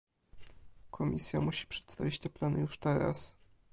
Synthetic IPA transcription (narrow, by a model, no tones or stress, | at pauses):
kʰɔmʲisʲjamuɕi̥pʂɛ̥t̪st̪avʲit͡ɕt͡ɕɛplanjuʂt̪ɛɾa̰s